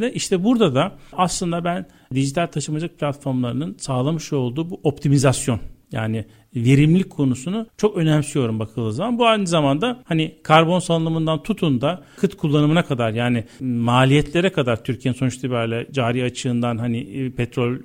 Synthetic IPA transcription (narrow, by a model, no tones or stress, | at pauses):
ɛʔiʃt̪ʰɛbuɾd̪ad̪aaslˠɯnd̪abæn | d̪iʒit̪ʰalʲt̪ʰaʃɯmad͡ʒak̚pʰlʲat̪fo̞ɾmlˠaɾɯnɯnsaːlˠamɯʃo̞lˠd̪uːbuʔo̞p̚t̪ʰimizasjo̞nja̰ːnɪ | ve̞ɾimlʲic̚ʲkʰːo̞nusunut͡ʃʰo̞kø̞næmsyjo̞ɾumbakʰɯlˠd̪ɯːzamanbuajnɯzamand̪ahanikʰaɾbo̞nsalˠɯnˠɯmɯnd̪ant̪ʰut̪ʰund̪akʰɯt̪kʰulˠːanɯmɯnakʰad̪aɾjaːnɪmaːlʲijɛt̪ʰlʲe̞ɾɛkʰad̪aɾt̪ʰyɾcʰijeninso̞nut͡ʃʃt̪ʰibæɾlʲɛd͡ʒaːɾiat͡ʃʰɯːnd̪anɦanɪpʰɛt̪ɾo̞lʲ